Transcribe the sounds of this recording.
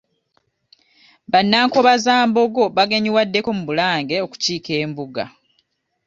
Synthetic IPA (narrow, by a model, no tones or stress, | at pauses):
βanːaːŋkoβazaːmbo̞ɡo̞βaɡeɲiwadːe̞ko̞muβulaːŋɡe̞o̞ku̥ciːke̞ːmbuɡa̰